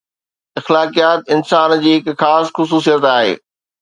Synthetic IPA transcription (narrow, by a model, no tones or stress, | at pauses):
ɐxlaːkijaːt̪ɪnsaːnd͡ʑiːɦɪkxaːsxʊs̬uːsijət̪aːɦḛː